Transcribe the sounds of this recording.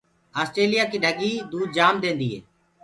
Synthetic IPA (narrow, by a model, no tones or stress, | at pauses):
aːsʈɾeːlɪjaːkiːɖʱəɡiːd̪uːd̪̚d͡ʒaːmd̪ẽːnd̪iːɦḛː